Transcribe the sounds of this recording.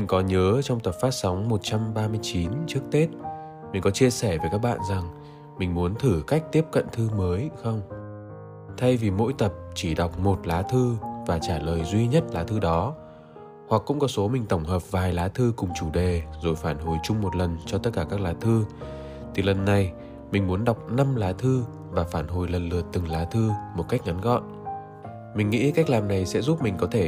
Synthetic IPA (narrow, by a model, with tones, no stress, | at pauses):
mï˨˩ŋ̟kɔ˨˦ɲəː˨˦t͡ɕɔ˧wŋ͡mt̪ə˨˩p̚faː˦˥t̚sa˨˦wŋ͡mmo˨˩t̚t͡ɕa˧mɓaː˧mɨ˧əjt͡ɕi˨˦nt͡ɕɨ˦˥ək̚t̪e˦˥t̚ | mï˨˩ŋ̟kɔ˨˦t͡ɕi˧əsɛ˧˩veː˨˦jkaː˦˥k̚ɓa̰ː˧˨nza˨˩ŋ | mï˨˩ŋ̟mu˨˦ənt̪ʰɨ˧˩ka˦˥jk̟̚t̪i˦˥əp̚kə̰˧˨nt̪ʰɨ˧məː˨˦jxə˧wŋ͡m | t̪ʰa˧jvi˨˩mo̰˧˥jt̪ə˨˩p̚t͡ɕi˧˩ɗa˨˩wk͡p̚mo˨˩t̚laː˨˦t̪ʰɨ˧vaː˨˩t͡ɕaː˧˩ləː˨˩jzwi˧ɲə˦˥t̚laː˨˦t̪ʰɨ˧ɗɔ˨˦ | hwa˨˩kːʊ̰˧˥ŋ͡mkɔ˨˦so˨˦mï˨˩ŋ̟t̪ə˧˩wŋ͡mɦəː˨˩p̚vaː˨˩jlaː˨˦t̪ʰɨ˧kʊ˨˩ŋ͡mt͡ɕu˧˩ɗe˨˩zo˨˩jfaː˧˩nho˨˩jt͡ɕʊ˧ŋ͡mmo˨˩t̚lə˨˩nt͡ɕɔ˧t̪ə˦˥t̚kaː˧˩kaː˦˥k̚laː˨˦t̪ʰɨ˧ | t̪ʰi˨˩lə˨˩nːa˨˩j | mï˨˩ŋ̟mu˨˦ənɗa˨˩wk͡p̚na˧mlaː˨˦t̪ʰɨ˧ | vaː˨˩faː˧˩nɦo˨˩jlə˨˩nlɨ˨˩ət̚t̪ɨ˨˩ŋlaː˨˦t̪ʰɨ˧mo˨˩t̚ka˦˥k̚ŋa˨˦nɣɔ̰˧˨n | mï˨˩ŋ̟ŋḭ˧˥ka˦˥jk̚laː˨˩mna˨˩jsɛ̰˧˥zu˦˥p̚mï˨˩ŋ̟kɔ˨˦t̪ʰe˧˩